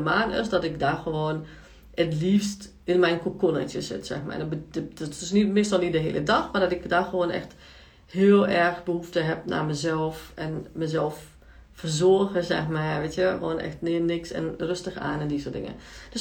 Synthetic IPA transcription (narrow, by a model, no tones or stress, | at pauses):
əmaːnɪ̰sdɔtɪkdaxəʋoːn | ətliːfst | ɪnmɛjnkokonə̰tjəsɪ̰tsɛ̰xma̰jbəɔtɪsnitmɪstɔlˠnitdəɦḛːlˠʔədɔxmardɔtɪkdaxəʋoːnɛ̰xt | hɪːəlˠɛrxbəhuftəɦɛp̚na̰məzɛlˠfɛnməzɛlˠf | fərzoəɣəzɛ̰xmaʋeːtjəxəoːnʔɛ̰xtnɪənɪksɛ̰nrøstəxa̰ːnɛndisoːdɪ̰ŋə̰d̥øs